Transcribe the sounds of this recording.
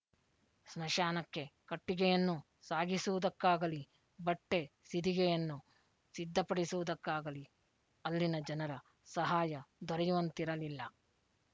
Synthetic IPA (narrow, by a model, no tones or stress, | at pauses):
snɐʃaːnɐkːe̞kɐʈːiɡɛjɐnːu | saːɡisuːud̪ɐkːaːɡɐli | bɐʈːe̞sid̪iɡɛjɐnːu | sid̪ːɐpɐɽisuʋud̪ɐkːaːɡɐli | ɐlːinɐd͡ʒɐnɐɾɐ | sɐɦaːjɐd̪ʱɔɾɐjuʋɐnt̪iɾɐlilːɐ